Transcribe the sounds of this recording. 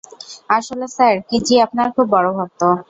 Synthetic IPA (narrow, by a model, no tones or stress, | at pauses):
aʃolesaɾkid͡ʑiapnaɾkʰubːɔɽobʱab̚t̪o